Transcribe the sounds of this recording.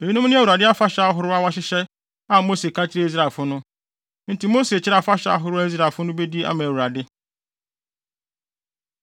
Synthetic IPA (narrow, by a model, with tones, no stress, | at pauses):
e˨i˦nʊ̃˦m˦nɪ̃˦æ˨wu˨ɾa˨dɪ˦a˦fa˦ɕɛ˨a˦ɦʊ˦ɾʊ˦a˦wa˦ɕɪ˦ɕɛ˦ | a˦mo˦se˨kʰã˦t͡ɕʰɪ˦ɾe˦i˦s̬ɾa˨lfʊ˦nʊ̃˦ | n̩˦ti˨mo˦se˨t͡ɕʰɪ˦ɾa˨fa˦ɕɛ˨˦a̰˨ɦʊ˨˦ɾʊ˦a˦i˦s̬ɾa˨fʊ˦nʊ̃˦be˦di˦ʔa̰˦mã˨wu˨ɾa˨dɪ˦